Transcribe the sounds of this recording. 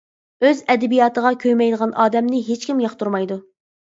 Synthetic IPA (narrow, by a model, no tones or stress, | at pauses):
øzɛd̪ɛbijɑːt̪ʰəʁɑkʲʰøjmɛjd̪əʁɑnʔɑːd̪ɛmnɪɦet͡ʃkʲimjɑχt̪uɾmɑjd̪u